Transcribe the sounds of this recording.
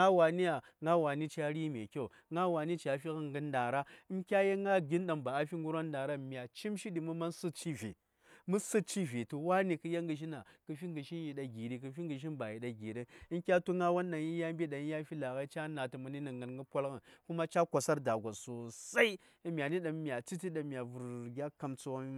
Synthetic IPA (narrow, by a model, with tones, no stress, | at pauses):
a˦wa˨ni˦ja˨ | ŋa˦wa˨ni˦t͡ʃa˦ɾi˦mʲe˨kʲo˦˨ | ŋa˦wa˨ni˦t͡ʃa˨fi˦ɣə˦ŋɡə˦nda˨ɾa˦i˦mkʲa˦je˦ŋɡa˦ɡi˦nɗa˨mba˨a˦fi˦ŋɡu˦ɾa˦nda˨ɾa˦˨mʲ˨a˨t͡ʃi˦mʃi˦ɗi˨mu˦ma˦nsɨ˦t͡ʃi˦vḛ˨ | mu˦sɨ˦t͡ʃi˦ve˨tu˨wa˦ni˨kɨ˨˦ja˦ŋɡɨ˨ʒ̬i˦na˨kə˨fi˦ŋɡə˨ʃi˦nji˨ɗa˨ɡi˨ɾi˨k̬ə˨fi˦ŋɡə˨ʃ̬i˦nba˨ji˨ɗa˨ɡi˨ɾi˦i˦nkʲa˦tu˦ŋa˦wa˦nɗa˨ji˦ja˦mbʲi˦ɗa˨i˦ja˦fi˦la˨ɣa˦i˦t͡ʃa˦na˨ti˨mu˨ni˦na˨ŋɡa˨nɡə˦pʷa˦lɣə˨nku˦ma˦t͡ʃa˦kʷa˨sa˦ɾda˨ɡʷa˨su˨sa˦i˦ | mʲ˨a˨ni˦ɗa˨m˦mi˨a˨t͡si˦ti˦ɗa˨mja˨vu˨ɾɡʲa˦ka˨mt͡su˦wa˦